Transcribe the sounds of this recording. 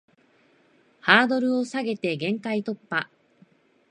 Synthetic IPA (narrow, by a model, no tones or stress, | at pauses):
haːd̪o̞ɾɯ̟o̞saɡe̞t̪e̞ɡẽ̞ŋkait̪o̞pːa